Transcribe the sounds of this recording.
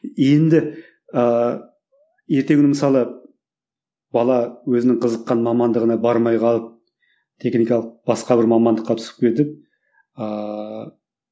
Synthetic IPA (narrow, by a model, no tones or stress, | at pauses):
je̞nd̪ɪ | ə | je̞ɾt̪eɡʲɪnɪməsɑlˠə | b̥ɑlˠɑwɵzɪnɪɴqʰəzəqːɑnmɑmɑnd̪əʁənɑbɑɾmɑjqʰɑlˠəp̚ | t̪ʰe̞χnijkɑlˠəq̚b̥ɑsqɑbɪɾmɑmɑnd̪əqːɑt̪ʰʏ̥sɪ̥p̚kʲʰed̪ɪp̚ | ə